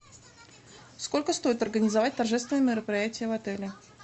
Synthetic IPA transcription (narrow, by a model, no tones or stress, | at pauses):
sko̞lʲkəst̪o̞jɪt̪ɐrɡənʲɪzɐvat̚ʲt̪ɐrʐɛst̪vʲɪnəjəmʲɪɾəpɾʲɪjætʲɪjəvɐt̪ɛlʲɪ